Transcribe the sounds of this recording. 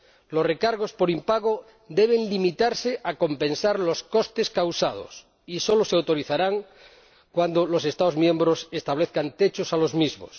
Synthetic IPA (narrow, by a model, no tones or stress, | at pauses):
losrekaɾɣ̞o̞spo̞ɾimpaɣ̞o | d̪eβ̞e̞nlimit̪aɾseʔako̞mpẽ̞nsaɾlo̞sko̞st̪e̞skawsað̞o̰s | iso̞loseawt̪o̞ɾiθaɾaŋ | kwand̪olo̞se̞st̪aðozmjẽ̞mbɾose̞st̪aβ̞leθkant̪et͡ʃosalo̞zmizmo̰s